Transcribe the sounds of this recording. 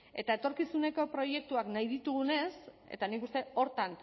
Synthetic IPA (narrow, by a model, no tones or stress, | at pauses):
e̞t̪ae̞t̪o̞ɾkisune̞ko̞pɾo̞je̞k̚t̪uaknajðit̪uɣ̞une̞s | e̞̰t̪anikust̪e̞o̞ɾt̪an